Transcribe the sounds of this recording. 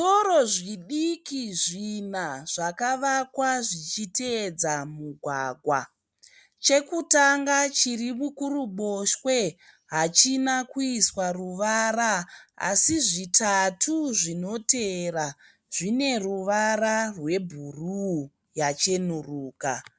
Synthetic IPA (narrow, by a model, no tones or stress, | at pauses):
so̞ɾo̞ʐiɗikiʐinaʐ̥akaʋakwaʐit͡ʃited͡zamuɡʱwaɡʱwa | t͡ʃe̞kutaŋɡat͡ʃirimukuruɓo̞ʃwe̞ | ɦat͡ʃinakuiswaruʋaɾaa̰siʐitatʰuʐino̞te̞ra | ʐ̥ine̞ruʋararwe̞bʱuru | jat͡ʃe̞nuruːka